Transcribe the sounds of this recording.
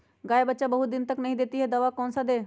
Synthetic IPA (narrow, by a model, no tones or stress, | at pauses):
ɡaːebətːʃabəɦut̪̚d̪ɪnt̪əknɐɦĩd̪eːt̪iɦɛːd̪əʋakɔ̃ːnsad̪eː